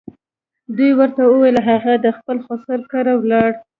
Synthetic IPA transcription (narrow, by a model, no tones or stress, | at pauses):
d̪ujwəɾt̪awəwelaɦaɣad̪əxpəlxosaɾkaɾawlɑɽ